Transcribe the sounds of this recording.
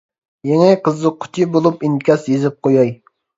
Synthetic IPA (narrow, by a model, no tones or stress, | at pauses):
jɛŋɛqʰəzɨqʰʊ̥t͡ʃ̪ʰibolˠupinkʲɑsjezɪp̚qʰojɑj